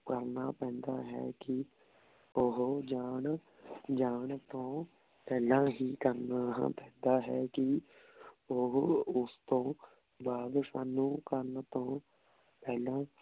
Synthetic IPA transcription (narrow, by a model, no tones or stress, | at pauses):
kəɾnaːpɛ̃ːnd̪aːɦɛ̰ːkɪ | ʊɦd͡ʒaːɳ | d͡ʒaːɳt̪õː | pɛːlãːɦiːkəɾnã̰ːpɛ̃ːnd̪aːɦɛːkɪ | ʊɦʊst̪õː | baːd̪saːnːũːkəɾnt̪õː | pɛːlãː